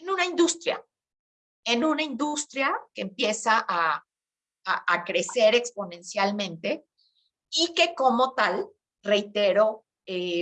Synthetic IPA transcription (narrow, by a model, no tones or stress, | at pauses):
enũnaind̪ust̪ɾja̰ | e̞nũnaind̪ust̪ɾjake̞ːmpje̞saʔa | aʔakɾe̞se̞ɾe̞kspo̞nẽ̞nsjalmẽ̞nt̪e̞ | ike̞ko̞mo̞t̪al | re̞jt̪e̞ɾo̞ | e